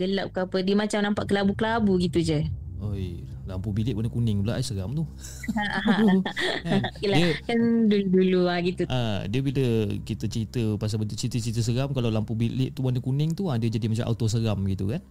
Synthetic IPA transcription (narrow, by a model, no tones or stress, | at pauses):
ɡəlaʔ̚kəapədiəmat͡ʃamnampaʔkəlabukəlabuɡit̪ud͡ʒə | oj | lampubilɪʔwanəkunɪŋula̰ʔsəɾamt̪u | aɦa | akələkandulduluaɡit̪uadiəbiləkit̪ət͡ʃəit̪əpas̬abət̪t͡ʃɾit̪ət͡ʃɾit̪əs̬əɣamkalawlampubilɪʔt̪uwanəkunɪŋt̪uadəd͡ʒadimat͡ʃamʔa̰t̪os̬əɾamɡit̪ukan